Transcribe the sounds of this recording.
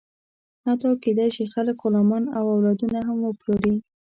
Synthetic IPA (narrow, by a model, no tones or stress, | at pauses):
hat̪ɑwked̪ajʃixaləkʊlɑmɑnawawlɑd̪unaɦamwəploɾi